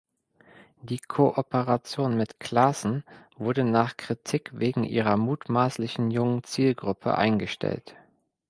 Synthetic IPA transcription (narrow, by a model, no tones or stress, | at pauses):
d̥iːkʰoʔɔpəʁat͡sjoːnmɪtkʰl̥asn̩v̥ʊɐdənaːχkʁ̥itʰikveːɡŋ̩ʔḭːʁɐmuːtmaːslɪçn̩jʊŋənt͡siːlɡʁʊpʰə̰ʔa̰ɪnɡəʃtʰɛ̰lt